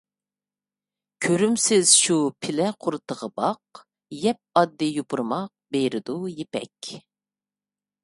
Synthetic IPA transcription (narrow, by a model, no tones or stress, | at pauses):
kʲʰøɾymsɪz̥ʃupʰɪlɛqʰʊɾɨt̪ʰəʁəbɑq | jɛp̚ɑd̪ːɨjopuɾmɑq̚bejɾɪd̪ujepɛ̰kʲ